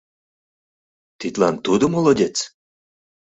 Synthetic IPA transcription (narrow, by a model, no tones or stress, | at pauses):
t̪it̪ʲlɑnt̪ud̪omolˠodʲet͡s